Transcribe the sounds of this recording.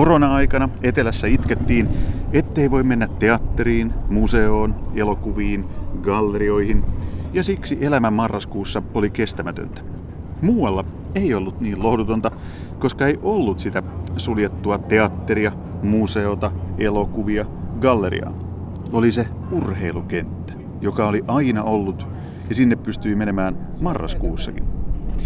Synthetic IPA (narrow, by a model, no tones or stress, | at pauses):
koronɑɑjkɑnɑe̞t̪e̞læsːæit̪ket̪ːiːnet̪ːeiʋo̞imenːæt̪ːeɑt̪ːeɾiːnmuse̞oːnelokuʋiːnɡɑlːeɾio̞ihinjɑsiksiʔe̞læmæmɑrːɑskuːsːɑolike̞st̪æmæt̪ø̰nt̪æ̥ | muːɑlːɑ | eiolːut̪niːllo̞hdut̪ont̪ɑ | ko̞skɑeiʔolːut̪sit̪æsuljet̪ːuɑt̪e̞ɑt̪ːeɾiɑ | muse̞ot̪ɑelokuʋiɑɡɑlːeɾḭɑ̰ː | olise | urhe̞iluke̞nt̪ːæ̥ | jokɑoliʔɑinɑʔolːut̪ | jɑsinːeppyst̪yimene̞mæːnmɑrːɑ̰skuːsːɑ̰kḭn